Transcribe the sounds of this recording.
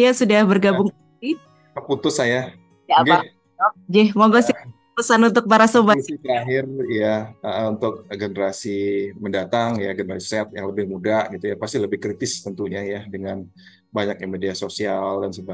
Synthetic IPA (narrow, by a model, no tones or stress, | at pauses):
jasudahbərɡabʊŋk | ti | əput̪ʊsaja | jad͡ʒa | ɔd͡ʒɛhmaɡɔsɪ | pəsanunt̪ʊk̚paɾasobat̪aɦɪrjaəʔəunt̪ʊk̚ɡenəɾasiməndat̪aŋjaɡənəɾasi̥sɛt̪̚jaŋləbɪhmudaʔɡit̪ujapast̪iləbɪhkɾit̪ɪst̪ənt̪uɲajadəŋan | baɲakimediasosialdansəba